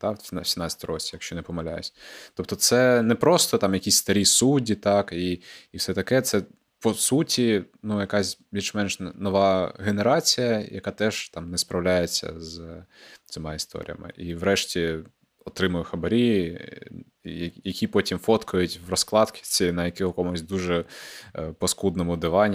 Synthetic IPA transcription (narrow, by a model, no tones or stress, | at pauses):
t̪ɑsʲsʲimnɑt͡sʲːt̪ɔɔ̰ɾɔt͡sʲijɐkʃt͡ʃɔnɛpɔmɐlʲa̰jʊ̰sʲt̪ɔp̚t̪ɔt̪sɛnɛpɾɔst̪ɔt̪ɑmjɐkʲisʲst̪ɐɾʲisudʲit̪ɑkiːwsɛt̪ɐkɛt̪sɛ | pɔsutʲi | nujɐkasʲbʲilʲʃmɛnʃnɔʋɑɣeneɾɑt͡sʲijɐjɐ̰kɑt̪ɛʒ̥t̪ɑmnɛspɾɐwlʲajet͡sʲːɐ̰z | t̪sɪmɑist̪ɔ̰ɾʲḭjɐ̰mɪ̰ʔiʋɾɛʃtʲi | ɔt̪ɾɪmʊjʊxɐbɐɾʲi | jɐjɐkʲipɔtʲimfɔt̪kʊjʊtʲʋrɔsklˠɑt̪kʲɪ̥t͡sʲinɐjɐkɪɦɔkɔmʊsʲd̪uʒɛ | pɔskud̪nɔmʊd̪ɪʋɑnʲː